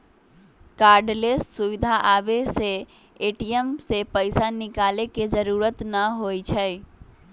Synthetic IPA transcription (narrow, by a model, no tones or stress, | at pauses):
kaɾɖlesːuβid̪ʱaʔabeseː | ʈiemsepəɪsanikaleked͡ʒəɾuɾət̪nəɦojt͡ʃʰəj